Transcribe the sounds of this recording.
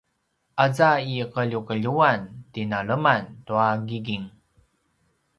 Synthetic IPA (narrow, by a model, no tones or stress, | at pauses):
ʔazaiqəʎukəʎuantinaɭəmantuaɡiɡiŋ